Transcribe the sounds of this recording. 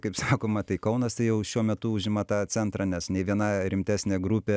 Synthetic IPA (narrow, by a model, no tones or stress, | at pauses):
kɐɪpsɑːkoːmɐt̪ɐɪkɐʊnɐst̪ɐɪjɛʊʃʲuɔmʲɛt̪ʊʊʒʲɪmɐt̪ɑːt͡sʲɛnt̪ɾɑnʲɛsnʲɛɪʋʲiɛnɑɾʲɪmʲt̪ʲæːsʲnʲeːɡɾupʲeː